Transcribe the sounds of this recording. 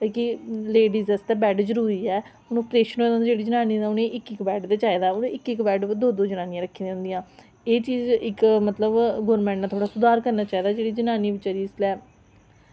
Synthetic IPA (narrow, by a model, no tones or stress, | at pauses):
ekileːɖiːzɛst̪ɛːbɛːɖd͡ʒəɾuːɾiːɛː | ʊnũːpɾeːʃənɦoːd̪ãːd̪aːd͡ʒeːɽiːd͡ʒənaːniːaʊnẽːʔɪkɪkbɛːɖd̪eːt͡ʃaːiːd̪aːnõːɪkɪkbɛːɖd̪oːd̪oːd͡ʒənaːnĩjãːɾəkʰːiːd̪eʊ̃nd̪ijãː | eːt͡ʃiːzɪkmət̪ləbɡoːɾmɛ̃ːɳʈnaːt̪ʰoːɽaːsʊd̪aːɾkəɾnaːt͡ʃaːiːd̪aːd͡ʒeːɽiːd͡ʒənaːniːʋɪt͡ʃːɾiːɪslɛː